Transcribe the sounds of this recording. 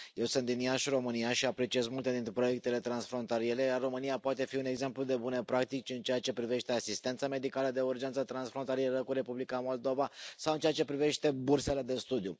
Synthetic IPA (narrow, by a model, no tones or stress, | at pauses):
je̞wsɨnt̪inijaʃiro̞mɨnijaʃiapɾe̞t͡ʃije̞zmult̪e̞d̪int̪ɾepɾo̞je̞k̚t̪e̞le̞t̪ɾansfɾo̞nt̪alie̞ɾe̞jarːo̞mɨnijapoat̪e̞fiune̞ɡze̞mplud̪e̞bune̞pɾak̚t̪ikt͡ʃɨnt͡ʃe̞at͡ʃe̞pɾive̞ʃt̪e̞asist̪e̞nt̪same̞d̪ikaləd̪e̞urd͡ʒe̞nt̪sət̪ɾansfɾo̞nt̪alijeɾəkuɾe̞publikamo̞ld̪o̞vasawɨnt͡ʃeat͡ʃe̞pɾive̞ʃt̪e̞burse̞le̞d̪e̞st̪ud̪iju